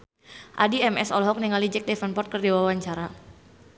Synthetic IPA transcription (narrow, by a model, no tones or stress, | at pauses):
ʔadiɛmɛsɔlɦɔk̚niŋalid͡ʒɛk̚dɛfanpɔrt̪̚kərdewawaɲt͡ʃaɾa